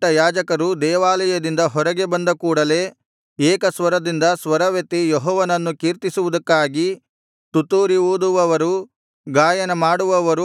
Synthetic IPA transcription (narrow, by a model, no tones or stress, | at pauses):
ʈɐjaːd͡ʒɐkɐɾud̪ɛːʋaːlɐjɐd̪ind̪ɐɦɔɾɐɡe̞bɐnd̪ɐkuːɽɐle̞ː | eːkɐsʋɐɾɐd̪ind̪ɐsʋɐɾɐʋet̪ːijɔɦɔːʋɐnɐnːukiːɾt̪isuʋud̪ɐkːaːɡi | t̪ut̪uːɾioːd̪uʋɐʋɐɾu | ɡaːjɐnɐmaːɽuʋɐʋɐɾu